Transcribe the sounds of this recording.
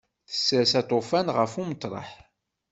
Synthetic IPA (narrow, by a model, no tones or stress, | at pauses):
θə̥sːəɾsɑt̪ˤofænʁəfumət̪ˤːɾˤɑ̰ħ